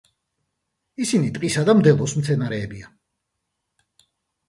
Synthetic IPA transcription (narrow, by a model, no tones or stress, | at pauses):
isinit̪ʼqʼisad̪amd̪ɛlˠɔsmt̪sʰɛnaɾɛːbia